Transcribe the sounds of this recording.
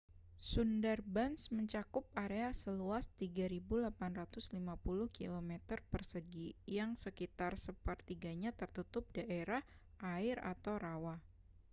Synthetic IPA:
sundərbansməɲt͡ʃakʊp̚aɾeasəluast̪iɡaɾibulapanrat̪ʊslimapulʊhkḭlomɛt̪ərpərsəɡijaŋsəkit̪arsəpərt̪iɡaɲat̪ərt̪ut̪ʊp̚daʔeɾah | ʔaɪɾa̰t̪awɾawah

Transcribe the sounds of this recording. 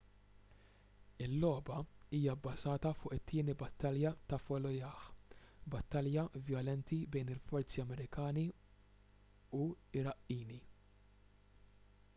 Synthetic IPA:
ɪlːɔːbɐiːjɐbːɐzɐːt̪ɐfʊːʔɪt̪ʰːɪːnibɐt̪ːɐljɐt̪ɐfɔlɔjɐːħbɐt̪ːɐljɐvjɔlɛnt̪ibɛjnɪlfɔɾt͡siɐmɛɾɪkɐːni | uɪɾɐʔiːni

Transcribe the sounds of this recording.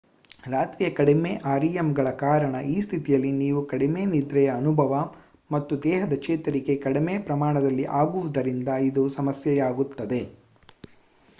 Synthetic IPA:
ɾaːt̪ɾijɐkɐɽimeːʔaːɾijemɡɐɭɐkaːɾɐɳɐʔiːst̪ʰit̪ijɐlːiniːʋukɐɽime̞ːnid̪ɾɛjɐːnubʱɐʋɐ | mɐt̪ːud̪ɛːɦɐd̪ɐt͡ʃɛːt̪ɐɾike̞kɐɽime̞ːpɾɐmaːɳɐd̪ɐlːiʔaːɡuʋud̪ɐɾind̪ɐid̪usɐmɐsjɐjaːɡut̪ːɐd̪e̞

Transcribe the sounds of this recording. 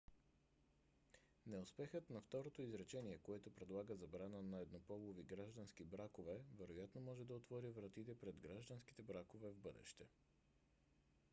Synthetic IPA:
nɛʊspɛxət̪nɐft̪ɔɾot̪oizɾɛt͡ʃɛniɛkoɛt̪ʊpɾɛd̪lˠaɡəzɐbɾanənɐɛd̪nopɔlˠoviɡɾaʒd̪ɐənsk̟ibɾakovɛvɛɾojat̪nomɔʒɛd̪ɐot̪vɔɾivɾɐt̪it̪ɛpɾɛd̪ɡɾaʒd̪ənski̥t̪ɛbɾakovɛvbɤd̪ɛ̰ʃt̪ɛ

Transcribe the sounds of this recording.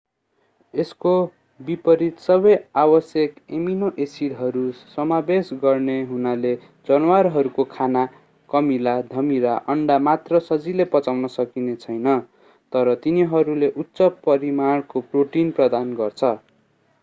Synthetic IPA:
esko | bipʌɾit̪sʌbʌjabʌsjʌkeminoʔesiɽɦʌɾusʌmabesɡʌrneɦunale | d͡zʌnwaɾɦʌɾukokʰana | kʌmilad̪ʱʌmiɾaʔʌɳɖamat̪rʌsʌd͡zilepʌt͡sawnʌsʌkinet͡sʰʌjnʌ | t̪ʌɾʌt̪iniɦʌɾuleʔut̪ːsʌpʌɾimaɽkoproʈinprʌd̪anɡʌrt͡sʰʌ

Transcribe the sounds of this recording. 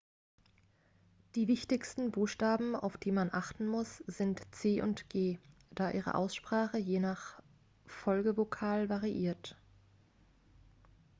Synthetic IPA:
d̥iːvɪçtɪçstn̩buːxʃtaːbm̩a̰ʊfd̥iːmanʔaχtn̩mʊsz̥ɪntt͡seːʔʊ̰ntɡ̥eːd̥aːʔiːʁə̰ʔa̰ʊsʃpʁ̥aːχəjeːnaχ | fɔlɡəvokʰaːlvaʁiʔiːɐt

